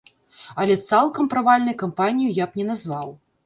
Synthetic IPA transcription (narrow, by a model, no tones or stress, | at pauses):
ɐlʲɛt̪salˠkɐmpɾavalʲnɐjkampanʲijujapnʲɛnazvaw